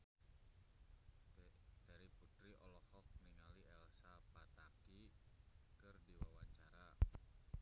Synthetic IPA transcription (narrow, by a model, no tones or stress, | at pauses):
d̪̥aɾiput̪ɾiʔɔlɔhɔk̚niŋaliɛlsapat̪aki | kɨrdiwawaɲt͡ʃaɾa